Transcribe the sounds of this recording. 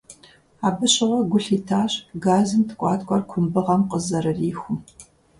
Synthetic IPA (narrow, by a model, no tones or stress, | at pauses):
aːbɨɕɪʁʷɔɡʷʊɬiːtʰaːɕɡaːzɨmtʰɨ̥kʷʼɑːtʼkʷʼɔrkʷʰʊmbɨʁɐmqʼəzɐɾɨriːxʷʊm